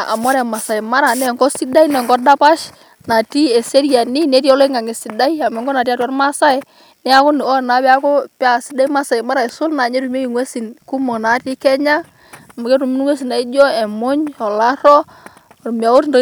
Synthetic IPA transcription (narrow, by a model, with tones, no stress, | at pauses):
ʔa˨mɔ˦ɾɛ˨ma˨sa˨i˨ma˦ɾa˨nɛ˨ŋɡɔ˦si˦da˦i˦nɛ˨ŋɡɔ˦da˦pa˦ʃ | na˨ti˦ɛ˨se˦ɾi˦a˨ni˦ne˨˦ti˦ɔ˦le˦ŋa˨ŋe˨si˨da˦i˦a˨mɛ˨ŋɡɔ˦na˨ti˦a˦tɔ˦ɾma˦sa˦e˦ | nɛ˦a˦ko˦ni˨ɔ˦˨na˨˦bɛ˦a˦ko˦pa˨si˦da˦i˦ma˦sa˨i˨ma˦ɾa˨e˨sʊ˦na˨ɲe˦ɾu˨m˦e˦i˨ŋwe˦si˨nku˦mo˨na˨˦ti˦kɛ˦ɲa˦˨ | ma˨ke˦ɾu˨mi˦n˦ŋwe˦s̬i˨na˨i˦d͡ʒɔ˦e˨mʊ˦ɲɔ˨la˦ɾɔ˦˨ | ɾu˨mi˨a˨o˦tno˦